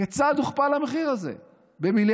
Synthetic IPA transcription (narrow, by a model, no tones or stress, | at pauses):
et͡sad̪uχpalhameχiʁazḛ | bemil